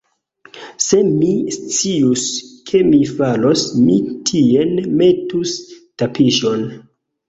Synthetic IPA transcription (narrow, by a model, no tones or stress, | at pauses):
se̞mist͡siuskʰe̞mifalosmitʰie̞nme̞tustapʰiʒo̞n